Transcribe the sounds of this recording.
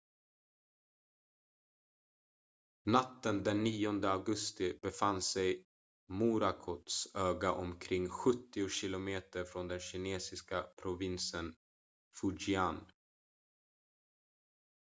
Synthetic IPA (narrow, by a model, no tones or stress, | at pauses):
nat̪ːənd̪ɛnːiːɔnd̪əaɡɵst̪ɪb̥ɛfansɛj | muːɾakʰɔt̪søːɡaʔɔmkʰɾɪŋːɧɵt̪ːɪʊɕɪlʊmeːt̪əɾfɾɔnd̪ɛnɕɪneːsɪskapʰɾʊvɪnsən | fʊd͡ʒɪan